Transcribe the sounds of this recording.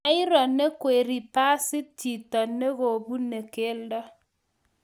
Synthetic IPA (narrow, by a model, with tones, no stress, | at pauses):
a˦i˦ɾɔ˨nːe˦kwe˨ɾi˨pa˦sɪ˦ti˨tɔ˨nːe˦ɡo˨bu˦nːe˨ke˦ldɔ˦